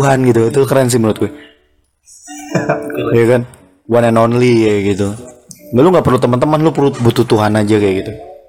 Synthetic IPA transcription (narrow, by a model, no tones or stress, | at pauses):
ɦanɡit̪uit̪ukəɾɛns̬imənʊt̪̚ɡuɛ | jakan | wanɛnonliaɡit̪uŋɡaluŋɡaʔpərlut̪əmənt̪əmanlʊpərlubut̪ut̪uɦanad͡ʒakajaɡit̪u